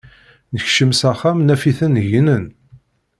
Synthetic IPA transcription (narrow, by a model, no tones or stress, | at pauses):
nəçʃəmsæχæmnæfiθənʝnən